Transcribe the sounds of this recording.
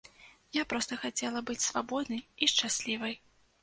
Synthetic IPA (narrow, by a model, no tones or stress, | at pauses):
japɾɔst̪ɐxat͡sʲɛlˠɐbɨt͡sʲsvabɔd̪nɨjiʂt͡ʂasʲlʲivɐj